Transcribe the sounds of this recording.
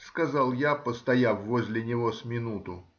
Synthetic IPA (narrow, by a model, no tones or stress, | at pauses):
skɐzalˠjapəst̪ɐjafːozʲlʲɪnʲɪvosmʲɪnut̪ʊ